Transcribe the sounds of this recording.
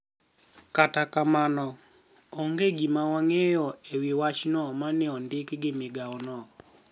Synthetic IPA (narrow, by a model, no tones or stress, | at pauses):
katakamanɔ | oŋɡeɡimawaŋejɔewiwat͡ʃnɔmanɛɔndɪkɡɪmɪɡawɔnɔ